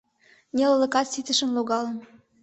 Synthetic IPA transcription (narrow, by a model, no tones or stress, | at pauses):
nʲelələ̆kɑt̪sit̪ə̆ʃə̆nluɣɑlə̆n